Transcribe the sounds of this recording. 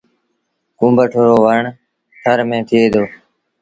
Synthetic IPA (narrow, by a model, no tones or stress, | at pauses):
kũːmbəʈʰoːɾoːʋəɳ | ʈʰəɾmẽːt̪ʰɪeːd̪oː